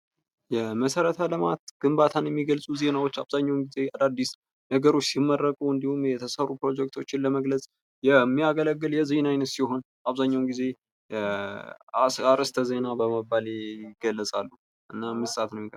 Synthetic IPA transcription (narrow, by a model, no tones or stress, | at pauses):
jɛməsəɾət̪ʰaləmat̪ɡ̥ɨmbat̪ʰanjɛmːiɡəlsʼuze̞nawo̞t͡ʃːaβzaɲːawnɡize̞ad̪ad̪ːis | nəɡəɾo̞t͡ʃːsimːərːəkʼuɨnd̪ihumjɛt̪ʰəsərːupɾo̞d͡ʒɛk̚t̪ʰo̞t͡ʃːɪnləməɡlət͡sʼ | jɛmːijaɡələɡːɨljɛzinajnət̪siho̞n | ʔaβzaɲːawnɡize̞ | aɾəst̪ʰəze̞nabəməbːalɡəlːəsʼalːuh | ʔɨnːamɨssʼat̪nəwɪɡə